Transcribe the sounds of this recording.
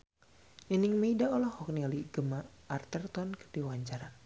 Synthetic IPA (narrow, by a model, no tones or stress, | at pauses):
nəniŋmeidaɔlɔhɔk̚nialiɡəmaːrt̪ərt̪ɔnkə̥rdiwaɲt͡ʃaɾa